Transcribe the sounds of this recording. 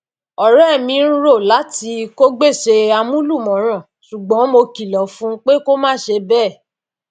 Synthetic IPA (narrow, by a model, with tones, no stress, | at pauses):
ɔ˨ɾɛ˦˨mĩ˧˦ɾ̃ũ˦ɾo˦˨la˨˦ti˧ko˦ɡ͡be˦˨ʃe˧a˧mũ˦lu˦˨mɔ̃˨˦ɾ̃ã˨ | ʃu˨ɡ͡bɔ̃˨˦mo˧ki˨lɔ˨fũ˦k͡pe˦ko˦mãː˦˨ʃe˧bɛː˦˨